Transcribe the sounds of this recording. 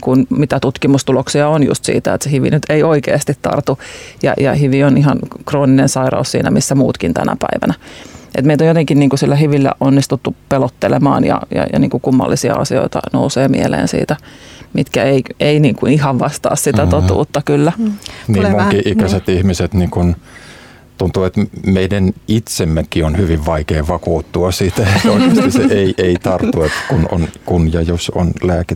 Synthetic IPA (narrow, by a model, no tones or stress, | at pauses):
kunmit̪æt̪ut̪kimust̪uloksiɑonjṵst̪sḭːt̪æet̪sehyʋḭnyt̪eioikḛːst̪it̪tɑ̰rt̪ujɑ̰jɑhyʋionihɑnkroːninensɑirɑ̰ussḭːnæ̰misːæmṵːt̪kint̪æ̰næ̰pæiʋæ̰næʔḛt̪meit̪ojot̪eŋkinniːŋkusilːæhyʋilːæ̰ʔʔonːist̪ut̪ːupelot̪ːelemɑ̰ːnjɑ̰jɑ̰jɑniːŋkukumːɑ̰lːisiɑ̰ɑ̰sio̰it̪ɑ̰no̰useːmḭelḛːnsḭːt̪æmit̪kæeieiniːŋkuihɑʋʋɑst̪ɑ̰ːssit̪æt̪ot̪ṵːt̪ːɑkylːæniːmmoŋkiʔikæset̪ihmiset̪niːkun | t̪unt̪uːet̪meidænit̪semːekːionhyʋiʋʋɑikeːʋɑkuːt̪ːuɑsit̪æonsiseeiʔeit̪ɑrt̪ːuet̪kuno̰nkunjɑjoso̰nlæːke